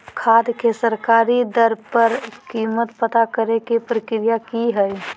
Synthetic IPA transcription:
kʰaːd̪kesəɾkaːɾid̪əɾpəɾkiːmət̪pət̪akəɾekepɾəkɾijakiɦɛɛ

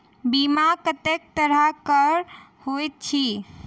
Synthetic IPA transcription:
bimakət̪ek̚t̪əɾəkəɾ | hojt̪̚t͡ʃʰi

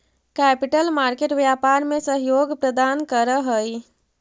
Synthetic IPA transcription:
kɛpiʈəlmaɾkeʈʋjapaɾmesəɦjoɡpɾəd̪ankəɾəɦəj

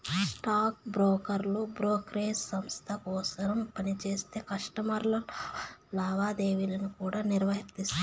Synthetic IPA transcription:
ssʈaːk̚bɾoːkɐɾlubɾoːkɾeːsːɐmst̪ʰɐkɔːsɐɾɐmpɐnit͡ʃeːst̪e̞ːkɐʂʈɐmɐɾlɐllaːʋaːd̪eːʋilɐnukuːɽaːniɾʋɐɦɐɾt̪ist̪

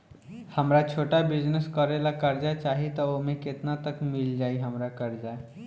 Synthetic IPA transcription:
həmɾat͡ʃʰoːʈabɪd͡ʒnəskɔɾelakəɾd͡ʒat͡ʃaːɦit̪ɔomẽkɪt̪nat̪əkmɪld͡ʒaːiɦəmɾakəɾd͡ʒa

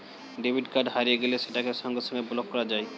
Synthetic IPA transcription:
ɖebʱiɖkaɾɖɦaɾijeɡeleʃeʈakeʃɔŋɡosʰɔŋɡebulob̚kɔɾad͡ʑaj

